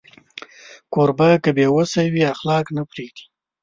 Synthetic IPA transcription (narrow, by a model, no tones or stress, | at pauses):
koɾbakəbjewəsawiaxlɑknapɾeɡ̚d̪i̥